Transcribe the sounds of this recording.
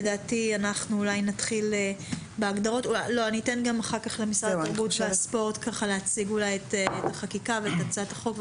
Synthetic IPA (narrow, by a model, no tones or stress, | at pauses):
edaːtianaχnuːlajnatχile | beaɡd̪aʁo̞tualoanitenɡamaχakaχlemisʁadabutveaspo̞ʁt̪kaχaleat͡siɡulajetetaχakikaveetat͡sataχo̞kv